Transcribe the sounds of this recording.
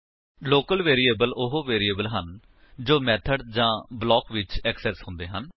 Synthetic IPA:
loːkəlʋeːɾiːeːbəlʊɦoːʋeːɾiːəːbəlɦən | d͡ʒoːmɛːt̪ʰəɖd͡ʒãːblɔːkʋɪt͡ʃɛksɛːsɦʊ̃nd̪eːɦən

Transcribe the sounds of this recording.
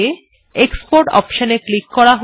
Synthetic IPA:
e | ekspoɾʈɔ̰pʃoneklikːɔɾaɦ

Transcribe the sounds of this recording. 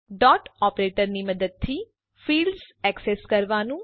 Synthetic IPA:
ɖɔːʈɔːpɾeːʈəɾniːməd̪əd̪̚t̪ʰiː | pʰiːlɖzɛːksɛːskəɾʋaːnũː

